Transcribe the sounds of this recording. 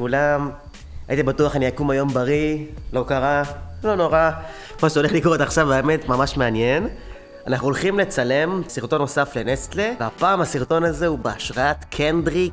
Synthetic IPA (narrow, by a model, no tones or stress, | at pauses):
kulam | ajit̪ibatuaχaniakumajo̞mbaʁilo̞kaʁalo̞no̞ʁa | maʃeo̞le̞χlikoet̪aχʃavaeme̞tmamaʃme̞anjen | anaχnuolχimle̞t͡sale̞msiʁt̪o̞no̞safle̞nest̪leveapaːmasiʁt̪o̞naze̞ubeaʃʁaatkʰendʁi